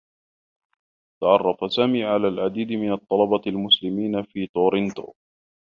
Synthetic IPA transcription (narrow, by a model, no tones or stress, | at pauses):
t̪ɑʕɑrˤːɑfasaːmiːʕalaːlʕad̪iːd̪mɪnɑt̪ˤːɑlɑbɑlmʊslɪmiːnafiːt̪oːɾɪnt̪o̰ː